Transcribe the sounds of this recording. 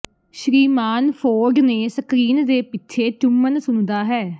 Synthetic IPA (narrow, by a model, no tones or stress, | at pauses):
ʃɾiːmaːnpʰoːɾɡneːsəkɾiːnd̪eːpɪtːʃʰeːt͡ʃʊmːənsʊnd̪aːɦɛː